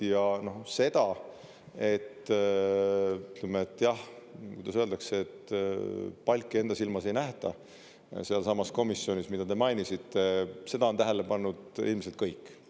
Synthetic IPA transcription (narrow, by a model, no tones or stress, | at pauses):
jɑno̞hse̞d̪̥ɑ | e̞t̪ː | t̪lemeet̪ːˑjɑhkujd̪ɑsøeld̪ɑkseːt̪ː | pɑlʲkːˑie̞nd̪ɑsilmɑse̞jnæht̪ɑ̰ | seɑlsɑmːɑsko̞misːjo̞nismid̪̥ɑd̪e̞mɑjnisit̪ːˑe̞se̞d̪̥ɑo̞nt̪æɦele̞pɑnːud̪̥ḭlmiselt̪̚kɤjkːˑ